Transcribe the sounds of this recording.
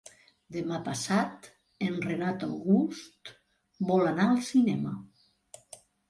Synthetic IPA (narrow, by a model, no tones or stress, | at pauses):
d̪emapasat̪ | enrenat̪awɣust̪ | bɔlanaəlˠsinɛmə